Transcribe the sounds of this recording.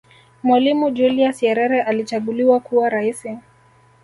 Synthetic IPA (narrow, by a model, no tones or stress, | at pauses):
mwalimud͡ʒuliasjɛɾɛɾɛʔalit͡ʃaɠuliwakuwaɾaisi